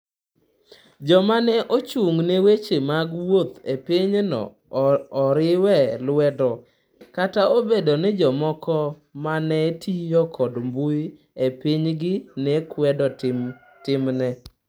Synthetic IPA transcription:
d͡ʒɔmanɛʔot͡ʃuŋnewet͡ʃemaɡwot̪epiɲnɔ̰ː | ɾɪwɛlwɛdɔ | kataobedonɪd͡ʒɔmɔkɔ | manɛtijɔkʰɔdmbuj | epiɲɡɪnɛkwɛdɔ | tɪmnɛ

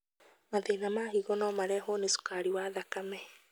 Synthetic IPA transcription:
maðenamaɦiɣɔnɔmaɾɛɦonesu̥kaɾiwaðakamɛ

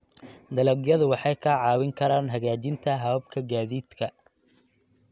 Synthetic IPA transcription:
d̪ɐlɐɡjɐðʊwɑħɑjkʰɐʕɑːwɪŋkʰɐɾaːnɦɐɣaːt͡ʃɪnt̪ʰɐɦɐwɐb̚kʰɐɡaːðiːd̪kʰɐ

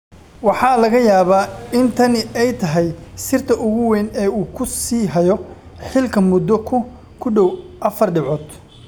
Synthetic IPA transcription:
wɑħɑːlɐɣɐjaːβaːɪnt̪ʰɐnɪɛjt̪ʰɐɦɛjsɪrt̪ʰɐʔʊɣʊwɛnɛːuːkʰʊsiːɦɐjɔ | ħɪlkʰɐmʊd̪ːɔkʰʊ | kʰʊɖɔwʔɐfɐrɖɪʕɔːd̪

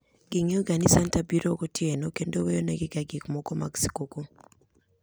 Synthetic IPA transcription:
ɡ̥ɪŋeoɡanisantabiɾokotʰjenokendowejonɛɡɪɡaɡikmɔkɔma̰ɡsi̥koko

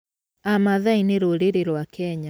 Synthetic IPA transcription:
amaðaineɾoɾeɾeɾwakʰɛɲa

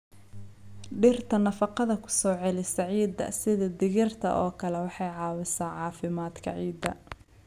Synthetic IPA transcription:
ɖɪrt̪ʰɐnɐfɑqɑðɐkʰʊ̥sɔːʕɛlɪsɐʕiːd̪ɐ̰sɪðɐd̪ɪɣɪrt̪ʰɐ̰ʔɔːkʰɐlɛwɑħɑjʕɑːwɪsaːʕɑːfɪmaːd̪kʰɐ̰ʕiːd̪ɐ

